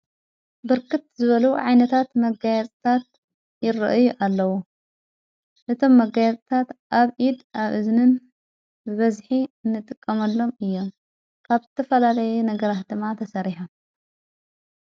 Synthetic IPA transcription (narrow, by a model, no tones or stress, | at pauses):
bɨɾkɨt̪zɨβɐluʕajnɐt̪ʰat̪mɐɡajɐt͡sʼt̪ʰat̪̚ | jɪɾɐ̰ʔɨjuʔalːɐwu | ʔɨt̪ʰo̞mːɐɡajɛt͡sʼt̪ʰat̪ʔaβʔid̪aβʔɨznɨn | bɨβɐzħiɨnːɨt̪ʼɨkʼːɐmɐlːo̞mɨjːo̞m | kʰaβzɨt̪ʰɐfɐlalɐjunɐɡɐɾat̪̚d̪ɨmːat̪ʰɐsɐɾiħom